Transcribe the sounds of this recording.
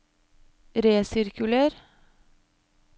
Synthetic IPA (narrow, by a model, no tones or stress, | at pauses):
ɾeːsɪɾkʉləɾ